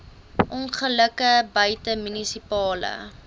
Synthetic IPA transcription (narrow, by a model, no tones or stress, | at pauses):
ʔɔnχələkəbœɥtəmynisipɑːlə̰